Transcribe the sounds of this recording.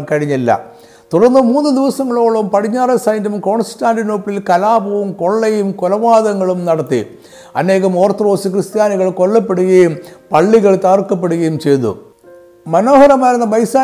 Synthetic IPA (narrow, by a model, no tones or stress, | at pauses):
kɐɻiɲːilːɐ̰ | t̪uɽɐrnːɨmuːnːɨd̪iʋɐsɐŋːɐɭo̞ːɭɐʋumpɐɽiɲːaːrɐsɐjndɐmko̞ːɳsi̥tːaːndɨnoːpːlilkɐlaːbɐʋumko̞ɭːejumkolɐʋaːðɐŋːɐɭumnɐɽɐt̪ːḭ | ɐ̰ne̞ːɣɐmo̞ːrt̪ro̞ːsɨkrɨst̪jaːniɣɐɭkoɭːɐpːeɽuɣɐjumpɐɭːiɣɐɭt̪ɐrkːɐp̬ːeɽuɣɐjumt͡ɕe̞jt̪ːṵ | mɐno̞ːhɐɾɐmaːjɾɐnːɐbɐjsaː